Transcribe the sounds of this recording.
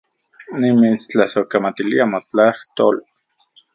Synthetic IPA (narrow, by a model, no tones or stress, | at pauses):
nimit͡st͡ɬasokamat̪iliamot͡ɬaht̪ol